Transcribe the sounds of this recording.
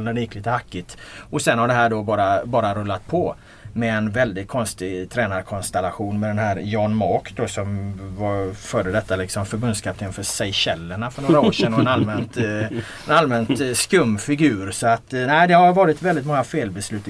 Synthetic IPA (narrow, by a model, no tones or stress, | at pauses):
lnæɖɛjɪkːliːt̪əhakːɪt̪ɔsɛnhaɖɛɦæːɖobɑːɾabɑːɾaɾɵlːat̪̚pʰɔ | mɛːnvɛld̪ɪt̪̚kʰɔnst̪ɪɡt̪ʰɾɛːnaɾkʰɔnst̪ɛlaɧuːnmɛd̪ɛnɦæːɾjɑːnmɔːkd̪osɔmvafœːɖəd̪ɛt̪ːalɪksɔmfœɾbɵnd̪skʰap̚t̪ʰɪnfœːsɛjɕɛlːəɳafœɳoːɾaːʂɛnːɔɛnalmɛnt̪ | ɛnalmɛnt̪skɵmːfɪɡʉ̟ːɾsɔat̪næɪd̪ɛhaɾvɑːɾɪt̪vɛld̪ɪt̪mɔŋːafeːlbɛslʉ̟ːt̪